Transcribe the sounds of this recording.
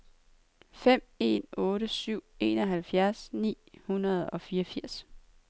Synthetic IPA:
fem̰e̝̰nɔ̽ːɾəsyʊ̰e̝̰ːnɒ̽ɦælfjæɐsnḭːhunɐð̞̩ˠɒ̽fiːɒfiɐ̰s

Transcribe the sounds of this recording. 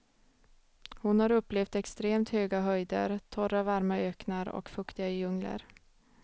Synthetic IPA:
hʊnhaɾɵpːlɛft̪ɛkst̪ɾeːmt̪høːɡaɦœjd̪ə̰ɾt̪ʰɔrːavaɾmaøːknaɾɔ̰kfɵkt̪ɪɡajɵŋlə̰ɾ

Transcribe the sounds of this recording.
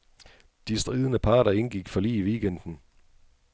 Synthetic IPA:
d̥isd̥ʁiːð̞ˠənəpʰɑ̈ːɾ̥ɐe̝nɡ̥iɡ̥fɒ̽lḭːʋiːɡ̥end̥n̩

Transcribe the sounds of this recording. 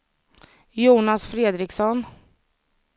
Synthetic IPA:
juːnasfɾeːd̪ɾɪksɔn

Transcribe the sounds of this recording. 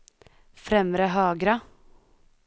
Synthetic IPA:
fɾɛməɾəɦɑːɡɾɑ

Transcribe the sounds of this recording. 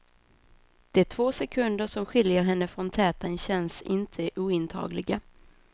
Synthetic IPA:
d̪̥ɛæʈʰv̥oːsɛkʰɵnd̪əʂɔmɧɪljəɾɦɛnːəfɾɔnt̪ʰɛːt̪anɕɛnsɪ̰nt̪ʰəʔuːɪnt̪ʰɑ̰ːɡlɪɡa

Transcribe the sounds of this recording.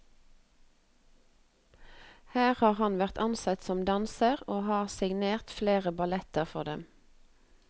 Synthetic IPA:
hæːʁhɑːʁhɑnʋæʁt̪ʰɑnsɑt̪sɔmd̪ɑnsəʁoːhɑːʁsɪɡneːʁt̪fleːʁəbɑlɛt̪əʁfɔʁd̪ɛ̰m

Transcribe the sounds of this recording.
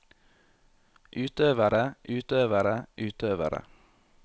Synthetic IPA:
ʔʉːt̪øːʋəɾəʔʉːt̪øːʋəɾəʔʉːt̪ʰøːʋə̰ɾə̰

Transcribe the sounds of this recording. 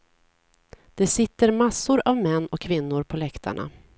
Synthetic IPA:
d̪̥ɛsɪt̪ːəɾmasːʊɾavmɛnːɔkʰːvɪnːʊɾpʰɔlɛkt̪ʰa̰ɳa̰

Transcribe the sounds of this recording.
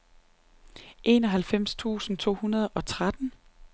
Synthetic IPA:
ʔe̝ːnɒ̽ɦælfem̰st͡sʰṵːsn̩t͡sʰo̝̰ːhunɐð̞ˠɒ̽t͡sʰʁad̥n̩

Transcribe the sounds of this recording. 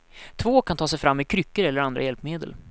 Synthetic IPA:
t̪ʰvoːkʰant̪ʰɑːs̬ɛjfɾamːɪkʰɾʏkːəɾɛlːəɾand̪ɾajɛlpmeːd̪ə̰l

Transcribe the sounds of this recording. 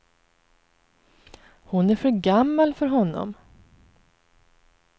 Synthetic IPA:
hʊnæɾfœɾɡamːalfœɾɦɔnːɔ̰m

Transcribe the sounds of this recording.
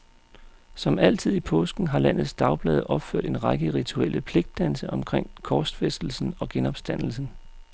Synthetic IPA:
sɒ̽mæl̰t͡sʰið̞̰ˠipʰɔːsɡ̥n̩ɦɑ̈læn̰ð̩ˠsd̥ɑ̈ʊb̥lɛːð̞ˠʔɒ̽b̥føɐ̰d̥e̝nʁɑ̈ɡ̥əʁit͡sʰuel̰ʔəpʰle̝ɡ̥̚d̥ːænsəʔɒ̽mkʰʁeŋ̰kʰɒːsd̥fesd̥l̩sn̩ɒ̽ɡ̥enɒ̽b̥sd̥æn̰l̩sn̩

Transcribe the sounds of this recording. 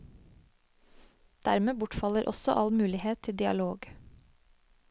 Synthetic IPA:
d̪̥æɾmeːbʊʈfɑləɾʔɔ̰sɔ̰ʔɑlmʉːlɪheːt̪ʰɪld̪ɪɑ̰loːɡ

